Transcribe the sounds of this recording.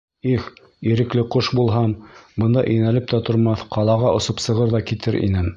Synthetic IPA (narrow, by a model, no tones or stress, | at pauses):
ix | iɾɘ̆klɘqoʃbulˠɦɑmbɤ̆nd̪ɑʔɵnælɘp̚t̪æt̪ŏɾmɑθqɑlˠɑʁɑʔŏsŏpsɤ̆ʁɤɾðɑkit̪ɘɾʔḭnɘm